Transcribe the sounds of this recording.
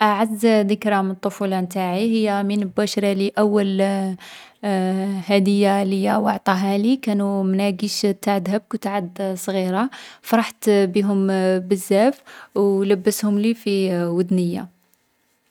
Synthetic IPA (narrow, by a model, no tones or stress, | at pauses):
ʔaʕazːd̪əkɾamənt̪ˤːofulɑnt̪aʕiɦəjːæmənəlbæʃɾˤɑliʔæwːəl | hæd̪əjːaləjæwɑʕt̪ˤɑɦælikænumnæɡiʃt̪ːaʕd̪həb̚kwt̪aʕəd̪sˤɣiɾafɑɾˤɑħt̪biɦʊmbəzːæfwlæbːəshʊmlifiwəd̪nəjːa̰